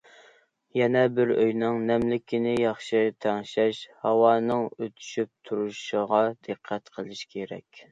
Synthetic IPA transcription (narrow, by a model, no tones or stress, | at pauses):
jɛnɛbɪɾøjnɨŋnɛmlɪkʲinɪjɑχʃɨt̪ʰɛŋʃɛʃhɑwɑːnɨŋøt̪ʰy̥ʃyp̚t̪ʰuɾuʃəʁɑd̪̥əqʰːɛt̪qʰəlˠɨʃkʲʰeɾɛ̰kʲ